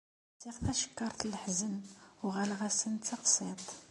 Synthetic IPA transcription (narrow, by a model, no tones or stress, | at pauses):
siʁθæʃə̥kːɑɾˤθlːħzənwʁælʁæsənt͡s̪ːɑqsˤɪt̪ˤ